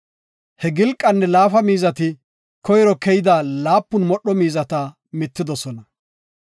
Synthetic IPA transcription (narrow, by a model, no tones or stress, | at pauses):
hɛɡɪlkʼːɐnːɛlaːfɐmiːzɐt̪ɪ | kɔjɾɔkɛjɪd̪aːlaːpːʊnmɔɗːɔmiːzɐt̪ɐ | mɪt̪ːɪd̪ɔsɔnɐ